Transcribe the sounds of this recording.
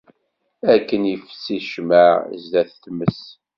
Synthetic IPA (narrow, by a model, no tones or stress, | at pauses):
ækːənjəfsiʃmə̰zðæθθməs